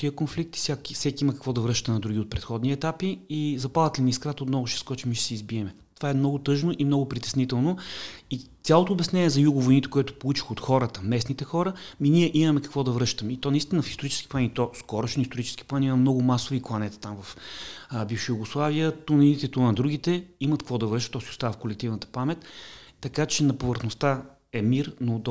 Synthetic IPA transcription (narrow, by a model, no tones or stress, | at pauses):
t̪iəkonflik̚t̪i̥fsʲjakifsɛkʲiiməkəkvɔd̪ɐvɾɤʃt̪ənɐd̪ɾuɡiot̪̚pɾɛt̪xɔd̪niɛt̪apiːzɐpad̪ət̪liniːskɾat̪ot̪nɔɡʊʃɛ̥skɔt͡ʃimiʃɛ̥sɛizbiɛmɛ | t̪ovaɛmnɔɡʊt̪ɤʒnoʔimnɔɡʊpɾit̪ɛ̥snit̪ɛlˠnoitt̪sʲalˠot̪oːbɛsnʲɛnʲiɛzɐjuɡʊvojnit̪ɛ̥kʊɛt̪ʊ̥polˠut͡ʃi̥xot̪xɔɾət̪əmɛsnit̪ɛxɔɾəminiɛʔimɐmɛkɐ̥kvɔd̪ɐvɾɤʃt̪əmɛit̪ɔnɐist̪inəfist̪oɾit͡ʃɛski̥plˠɛnʲit̪ɔskɔɾoʃnist̪oɾit͡ʃɛ̥sk̟i̥plˠanimɐmnɔɡʊmasʊviklˠɐnɛt̪ə̥t̪amvɐf | bifʃojuɡʊslˠavijət̪uninit̪ɛt̪uand̪ɾuɡit̪ɛiməɐt̪kəkvɔd̪ɐvɾɤʃt̪ət̪ːɔsiʊ̥st̪avəfkolɛk̚t̪ivnət̪ə̥pamɛt̪ːɐkat͡ʃɛnɐpovəɾxnost̪a | ɛmiɾnod̪